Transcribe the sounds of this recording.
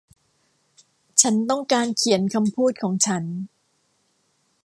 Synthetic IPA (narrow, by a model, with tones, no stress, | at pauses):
t͡ɕʰa˦˥nt̪ɔ˥˩ŋkaː˧nkʰi˨˩˦ənkʰa˧mpʰuː˥˩t̪̚kʰɔː˩˦ŋt͡ɕʰa˦˥n